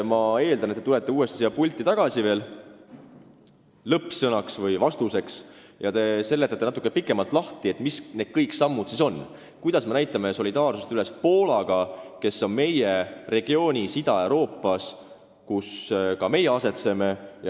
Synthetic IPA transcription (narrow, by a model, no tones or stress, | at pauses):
mɑe̞ːld̪ɑnet̪ːt̪ule̞t̪ːˑe̞uːe̞st̪i̥siɑpulʲt̪ːˑit̪ɑɡ̥ɑsive̞ːl | lɤpːsɤnɑksvɤjvɑst̪use̞ks | jɑt̪e̞se̞lːet̪ːˑet̪ːenɑt̪ːˑukːepikːˑe̞mɑlt̪ːˑlɑht̪ie̞t̪ːˑmisne̞d̪̥̚kɤjksɑmːud̪̥siso̞nː | kujd̪̥ɑsme̞næjt̪ːˑɑme̞so̞lʲid̪̥ɑːrsust̪yle̞spo̞ːlɑɡ̥ɑke̞sːo̞nme̞jere̞ɡ̥io̞ːnʲisid̪̥ɑe̞wɾo̞ːpːˑɑs | kuskɑme̞jːeɑse̞t̪se̞me̞j